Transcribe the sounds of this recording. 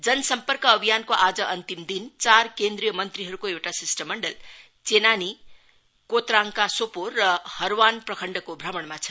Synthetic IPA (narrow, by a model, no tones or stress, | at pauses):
d͡zʌnʌsʌmpʌrkʌːbʱijankoʔad͡zʌʔʌnt̪imd̪int͡sarkend̪ɾijʌmʌnt̪riɦʌɾukoewʈasisʈʌmːʌɳɖʌl | t͡senani | kot̪raŋkasoporːʌhʌɾwanprʌkʰʌɳɖʌkobʱrʌmʌɳmat͡sʰʌ̥